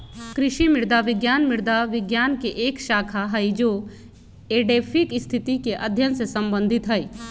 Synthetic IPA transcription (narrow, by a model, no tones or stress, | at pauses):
kɾɪʃimɪɾd̪aʋɪɡjaːnmɪɽd̪aʋɪɡjaːnkeʔeːkʃaːkʰaɦɐid͡ʒoː | eːɖeːpʰɪkɪst̪ʰɪt̪ikeʔɐd̪ʱjənsesɐ̃mbə̃nd̪ʱɪt̪ɦɐi